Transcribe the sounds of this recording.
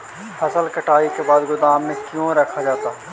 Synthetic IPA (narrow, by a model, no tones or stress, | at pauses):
pʰɐsəlkɐʈaːikebaːd̪ɡʊd̪aːmːẽkjõɾɐkʰad͡ʒaːt̪aː